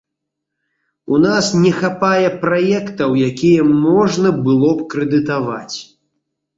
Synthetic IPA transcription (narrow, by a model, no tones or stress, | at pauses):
unasnʲɛxapajɛpɾajɛkt̪ɐwjakʲijɛmɔʐnɐbɨlˠɔp̚kɾɛd̪ɨt̪ava̰t͡sʲ